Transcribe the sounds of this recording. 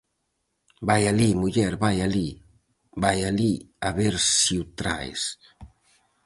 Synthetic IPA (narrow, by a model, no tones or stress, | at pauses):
bajalimuʎɛɾbajali | bajaliaβeɾsiwt̪ɾa̰js